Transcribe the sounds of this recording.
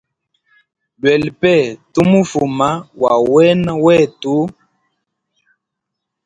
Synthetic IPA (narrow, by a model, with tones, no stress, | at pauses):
bwɛ˨lpɛ˦˨tu˦mu˦fu˨ma˦wa˨wɛ˦na˦wɛ˦˨tu˨˦